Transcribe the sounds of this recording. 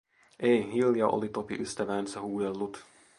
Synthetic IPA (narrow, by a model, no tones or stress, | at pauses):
ʔejɦiljɑʔo̰lit̪opiʔyst̪æʋæːnsæhuːdelːut̪